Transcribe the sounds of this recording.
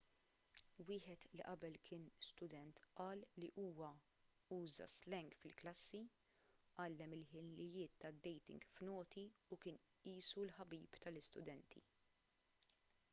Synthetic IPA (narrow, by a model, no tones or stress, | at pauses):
wɪːħɛt̪liʔɐbɛlkʰɪːnst̪ʊd̪ɛnt̪ʔɐːlːiʔuːwɐ | uːzɐ̰slɛŋɡfɪlklɐsːi | ʔɐlːɛmɪlħɪlːɪjɪːt̪ːɐd̪ːɛjt̪ɪ̰̃ŋɡfnɔːt̪ʰiʊkɪːn | iːsulħɐbiːpt̪ɐlɪst̪ʊd̪ɛnt̪ʰḭ